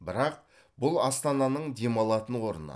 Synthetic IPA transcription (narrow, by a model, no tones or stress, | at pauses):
bɪɾɑq̚ | bʊlˠɑst̪ɑnɑnəɴd̪e̞mɑlˠɑt̪ənwo̞ɾənə̰